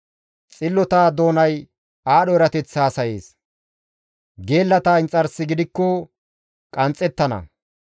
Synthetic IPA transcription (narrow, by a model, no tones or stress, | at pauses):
t͡sʼɪlːɔt̪aːd̪o̞ːnɐj | aːɗɔɛɾɐt̪ɛt͡sːaːsɐjeːs | ɡe̞ːlːɐt̪aːɪnt͡sʼɐɾsːɪɡɪd̪ɪkːɔ | kʼɐnt͡sʼːɛt̪ːɐnɐ̰